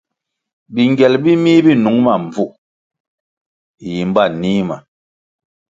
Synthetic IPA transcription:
bi˨ŋɡɛ˨lbi˦mi˦bi˦˨nu˨˦ŋma˨m˨b͡vu˦˨ | ji˨m˦ba˦˨niː˦ma˨

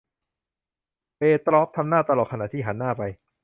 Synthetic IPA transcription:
peː˧t̪ɾɔː˦˥p̚t̪ʰa˧mnaː˥˩t̪a˧lɔː˨˩t̪̚kʰna̰ː˨˩t̪ʰiː˥˩ɦa˩˦nːaː˥˩pa˧j

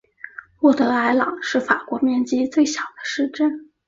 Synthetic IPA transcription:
wɔ˥˩t̪ɤ˧˥a˧˥ɪlɑ˨˩˦ŋʂɻ̩˥˩fa˨˩kwɔ˧˥mjɛ˥˧nt͡ɕi˥t͡swe˥˩ɪɕjɑ˨˩ʊd̪ə̥˦ʂɻ̩˥˧ʈ͡ʂə˥˩n

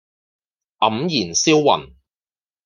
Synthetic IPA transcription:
ʔɐ˨˦mjiː˨˩nsiː˥wːɐ̰˨˩n

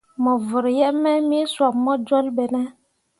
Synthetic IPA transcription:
mɔ˨və˨ɾjɛ˦ʔmɛ˦mi˦swa˨p̚mɔ˦d͡ʒɔ˦lɓɛ˨nɛ˦

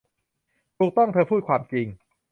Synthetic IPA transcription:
t̪ʰuː˨˩k̚t̪ɔ˥˩ŋt̪ʰɤː˧pʰuː˥˩kʰwaː˧mt͡ɕi˧ŋ

